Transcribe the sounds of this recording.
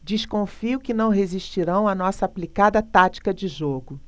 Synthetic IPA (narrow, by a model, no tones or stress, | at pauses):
d͡ʒiʃkõfiʊkɪnɐ̃w̃ɦeziʃt͡ʃiɾɐ̃w̃ɐnɔsɐːplikad̪ɐt̪at͡ʃi̥kɐd͡ʒɪʒoɡʊ